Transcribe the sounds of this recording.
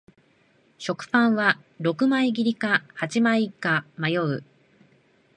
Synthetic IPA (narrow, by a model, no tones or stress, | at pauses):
ɕo̞kɯ̟̥pãɰ̃βa | ɾo̞kɯ̟maiɡʲiɾʲikahat͡ɕimaikamajo̞ɯ̟